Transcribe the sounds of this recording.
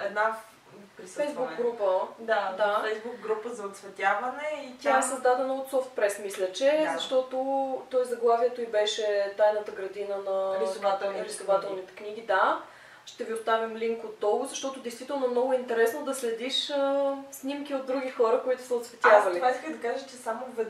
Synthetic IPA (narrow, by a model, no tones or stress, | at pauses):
ɛd̪na | pɾifɛjzbukɡɡɾupəd̪ad̪afɛjzbukɡɾupəzɐot̪svɛt̪ʲavɐnɛit̪ʲaɛsɐzd̪ad̪ɛnəot̪sɔft̪̚pɾɛsmislʲət͡ʃɛzɐʃt̪ɔt̪ot̪ɔjzɐɡlˠaviɛt̪oibɛʃɛt̪ajnət̪əɡɾɐd̪inənɐɾisovat̪ɛɾisovat̪ɛlˠnit̪ɛ̥kniɡ̟id̪a | ʃt̪ɛviʊst̪avimliŋkot̪ːɔɡʊzɐʃt̪ɔt̪ʊd̪ɛjst̪vit̪ɛlˠnomnɔɡʊint̪ɛɾɛsnod̪ɐslɛd̪iʃəsnimkiod̪̚ːɾuɡ̟ixɔɾəkoit̪ʊ̥səot̪svɛt̪ʲavɐlivaiskəd̪ɐkaʒət͡ʃɛsamovɛ